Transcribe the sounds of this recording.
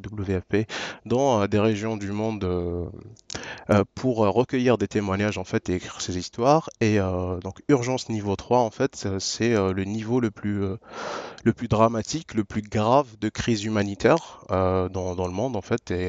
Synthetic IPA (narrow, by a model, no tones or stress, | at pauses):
d̪ubləveɛped̪ɑ̃ød̪eʁeʒjɔ̃d̪ymɔ̃d̪ø | pʰuʁøʁəkʲəjiʁd̪et̪emwaɲaʒɑ̃fɛt̪eːkχiʁsezist̪waʁeød̪ɔ̃kyʁʒɑ̃snivot̪χwaɑ̃fɛt̪øsɛølənivoləplyø | ləplyd̪ʁamat̪ʰikləplyɡʁavd̪əkχizymanit̪ɛʁød̪ɑ̃d̪ɑ̃ləmɔ̃d̪ɑ̃fɛt̪e